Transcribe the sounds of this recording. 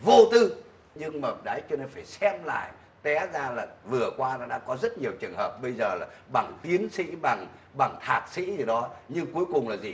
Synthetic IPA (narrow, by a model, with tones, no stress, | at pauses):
vo˧t̪ɨ˧ | ɲɨ˧ŋməː˨˩t̚ɗaː˨˦jt͡ɕɔ˧˦ne˧nfaː˧˩jsɛ˧mla̰ː˧˨j | t̪ɛ˨˦zaː˧laː˨˩vɨ˨˩əkwaː˧nɔ˨˦ɗa̰ː˧˥kɔ˨˦zə˦˥t̚ɲi˨˩əwt͡ɕɨ˨˩əŋhəː˨˩p̚ɓə˧jzəː˨˩laː˨˩ɓa˧˩ŋt̪i˨˦ənsḭ˧˥ɓa˨˩ŋɓa˨˩ŋt̪ʰaː˨˩t̚sḭ˧˥zi˨˩ɗɔ˨˦ɲɨ˧ŋku˨˦jkʊ˨˩ŋ͡mlaː˨˩zi˨˩